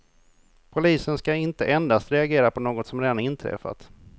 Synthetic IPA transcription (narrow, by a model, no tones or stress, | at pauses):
pʰʊliːsənskaɪnt̪əʔɛnd̪ast̪ɾɛaɡeːɾapʰɔnoːɡɔt̪sɔmɾeːd̪anɪnt̪ʰɾɛ̰fa̰t̪